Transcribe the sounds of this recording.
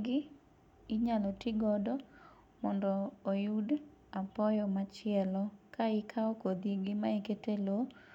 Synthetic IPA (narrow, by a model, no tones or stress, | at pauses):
ɡɪ | ɪɲalɔtɪɡɔdɔ | mɔndɔːjud | apɔjɔmat͡ʃɪɛlɔkaɪkʰaokod̪iɡɪmaiketelo